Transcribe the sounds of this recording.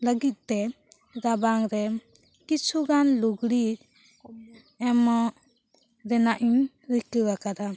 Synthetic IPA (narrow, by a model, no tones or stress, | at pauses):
ləɡit̪̚ˀt̪ɛ | ɾabaŋɾɛ | kit͡ʃʰuɡanluɡɽit | ɛmaʔ | ɾɛnaʔiɲ | ɾikəɡakad̪a